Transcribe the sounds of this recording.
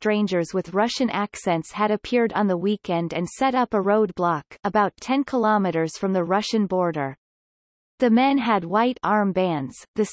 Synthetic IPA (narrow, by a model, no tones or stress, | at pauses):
tɹ̥ẽɪ̃nd͡ʒə˞zwɨðɹʌʃɨ̃nʔæksɛ̃ntshɨɾɨpʰɪɹɾn̩ðəwikɛ̃ndɨ̃nsɛɾʌpəɹoʊd̚blɑkəbaʊtʰɛ̃nkʰəlɑmɨɾə˞z̥fɹʌ̃mðɨɹʌʃɨ̃nbɔɹɾə˞ | ðɨmɛ̃nɨd̚waɪɾɑɹmbæ̃ndz̥ðɨs